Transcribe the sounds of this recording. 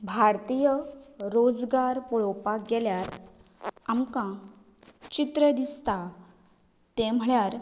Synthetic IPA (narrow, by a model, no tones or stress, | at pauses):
bʱaɾt̪ijəɾod͡zɡaɾpuɭowpaɡɛljaɾ | amkã | t͡ɕit̪ɾəd̪ist̪a | t̪ɛm̤ɭjaɾ